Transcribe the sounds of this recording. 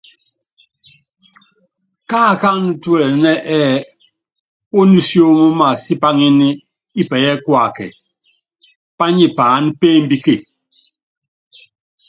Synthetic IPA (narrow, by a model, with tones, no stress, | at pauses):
kaː˦˨ka˦n˦tu˦ɛ˦˨lɛ˨nɛ˦ʔɛː˦˨ | o˦nu˦sjo˦mo˦ma˨si˦pa˦ŋi˦ni˦ | i˦pɛ˨jɛ˦kwa˨kɛ̰˨ | pa˦ɲi˦paː˨˦n˦peː˦m˦bi˦ke˦˨